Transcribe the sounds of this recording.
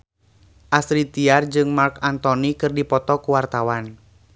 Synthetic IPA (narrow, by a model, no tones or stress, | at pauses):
ʔasɾit̪iard͡ʒɨŋmarkant̪ɔnikɨrdipɔt̪ɔkuwart̪awan